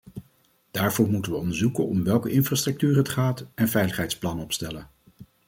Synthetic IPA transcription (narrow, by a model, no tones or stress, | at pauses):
d̥aːɹvʊːɹmutənʋəɔndəɹzukənɔ̰mʋɛlˠkəʔɪnfraːstrɵk̚tyːrɦətχaːtɛnvɛjləχɦɛjtsplɑnəɔpstɛlən